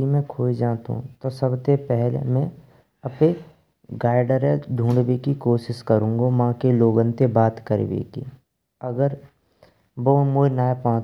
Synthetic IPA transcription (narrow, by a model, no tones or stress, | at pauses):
imẽkʰoːid͡ʒaːt̪ɦṵ̃t̪osəbt̪epɛɦlḛmɛ̃ | ɐpe | ɡaːɪɖəɾed̪ʱũːɳɖʋekikoːʃɪʃkəɾũːŋɡomãːkeloːɡənt̪ebaːt̪kəɾ̰ʋḛːkḭ | ɐɡəɾ | boːmʊnaːepɔ̃ː